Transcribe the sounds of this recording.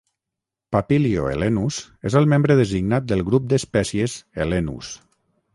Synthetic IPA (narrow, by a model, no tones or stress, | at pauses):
papilio̰ḛlenuz | ezəlˠmẽmbɾəðəziɡnat̪̚d̪əlˠɣɾup̚d̪əspɛsiəzelenṵs